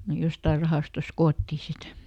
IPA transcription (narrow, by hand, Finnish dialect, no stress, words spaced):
ne jostɑir rɑhɑˑstos koːtːiˑ sit